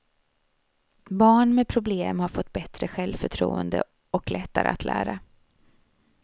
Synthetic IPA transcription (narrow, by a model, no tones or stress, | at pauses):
bɑːɳmɛpʰɾʊbleːmhaɾfɔt̪ːbɛt̪ɾəɧɛlvfœʈʰɾṵːənd̪ə̰ | ɔklʔɛt̪ːaɾə̰at̪læ̰ːɾa